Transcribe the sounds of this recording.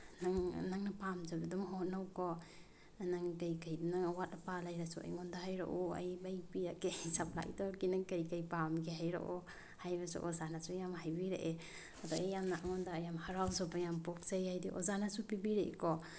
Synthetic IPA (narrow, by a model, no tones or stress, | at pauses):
naŋnaŋnapamzabidumɦɔt̚nawkɔ | naŋkajkajdunaŋawat̚lapalajɾasua̰jŋɔndaɦajɾa̰ʔua̰jbajpiɾakejsapʰla̰jdɔkinaŋkajkajpamɡeɦajɾa̰ʔɔ | hajbasṵʔɔzanasujamɦajbiɾeʔe | adɔejːamnaʔaŋɔndaːjamhaɾawzɔbajampɔk̚sajhajdiʔɔ̰zanasupibiɾeʔekɔ